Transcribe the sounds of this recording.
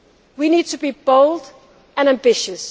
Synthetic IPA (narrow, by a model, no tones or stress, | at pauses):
winiːd̚tʰubibolˠd | ə̃næ̃mbɪʃəs